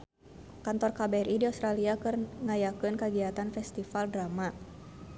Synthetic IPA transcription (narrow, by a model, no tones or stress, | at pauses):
kant̪ɔrkabarʔidiɔst̪ɾaliakɨrŋajakɨnkaɡiat̪anfɛst̪ifaldrama